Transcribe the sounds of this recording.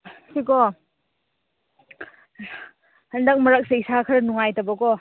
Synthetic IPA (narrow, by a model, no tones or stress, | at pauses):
sikɔ | hɐndɐk̚mɐɾak̚seisakʰɐɾnuŋajtɐbɐkɔ